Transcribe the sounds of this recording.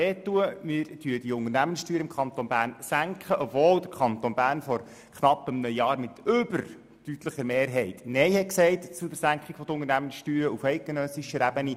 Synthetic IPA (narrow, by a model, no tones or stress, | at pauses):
eːt̪ːuəmɪɾtyəd̥̪iʊŋərnæmənsʃtyːɾəɪmkʰɑnt̪onbæːɾnsæŋkχəʔɔbvoːld̪əɾkʰχɑnt̪onbæːrnfɔɾ | kχnɑpːəmnœjjɑːɾmɪt̪ʏbəɾ | tyt̪ləχəɾmeːɾɦɛɪt̪nɛɪhɛksɛɪtt͡sudəsæŋkχiɡ̥fɔd̪əʊŋəɾnæmənsʃtyːɾəufɛɪt̚ɡ̥enœsiʃəɾæbəni